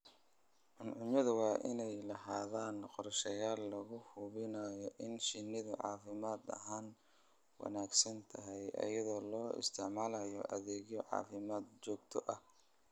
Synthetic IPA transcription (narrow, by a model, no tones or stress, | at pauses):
ʔʊnʕʊmɐðʊwɑːʔɪnɛjlɐɦaːðaːnqɔɾʃɐjaːlːɐɣʊhʊβɪnaːjɔʔɪnʃɪnːɪðʊʕɑ̰ːfɪmaːd̪ɐ̰ɦaːn | wɑ̰naːɡsɐnt̪ʰɐɦɛjʔɐ̰jɐðɔːlɔːɪ̰st̪ʰɪʕmaːlɐjɔʔɐðɛːɣjɔʕɑ̰ːfɪmaːd̪t͡ʃɔːɡt̪ʰɔʔɐh